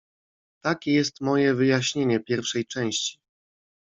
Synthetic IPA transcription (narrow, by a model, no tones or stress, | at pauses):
t̪akʲɛjɛst̪mɔjɛvɘjaɕɲeɲɛpʲjɛɾfʂɛjt͡ʂɛ̃w̃ɕt͡ɕi̥